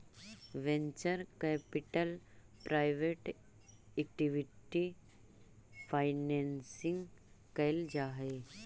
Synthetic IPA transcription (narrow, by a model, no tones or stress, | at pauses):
ʋẽɲt͡ʃəɾkepiʈəlpɾajʋeʈ | ek̚ʈiʋiʈi | pʰajnensĩŋɡ | kɐjld͡ʒaːɦe